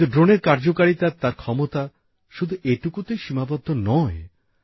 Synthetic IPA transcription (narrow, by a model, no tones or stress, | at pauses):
t̪uɖɾoneɾkaɾd͡ʑokaɾit̪at̪aɾkʰɔmot̪a | ʃud̪ʱuʔeʈukut̪ejʃimabɔd̪ʱːonɔe